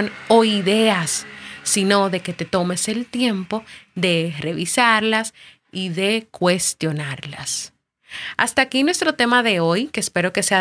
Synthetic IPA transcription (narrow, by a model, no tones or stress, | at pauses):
noiðe̞asːino̞ðe̞ke̞t̪e̞t̪o̞me̞se̞lt̪je̞mpo̞ðe̞re̞βisaɾlas | iðe̞kwe̞st̪jo̞naɾla̰s | a̰st̪aːkinwe̞st̪ɾo̞t̪e̞maðe̞o̞jkeːspe̞ɾo̞ke̞sea